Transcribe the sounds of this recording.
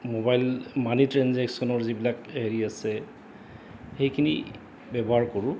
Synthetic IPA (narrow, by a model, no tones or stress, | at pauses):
mobajlmanitɹanzɛksɔnɔɹzibilakɦeɹiasɛ | xejkʰinḭ | bɛbɔɦaɹkoɹʊ̃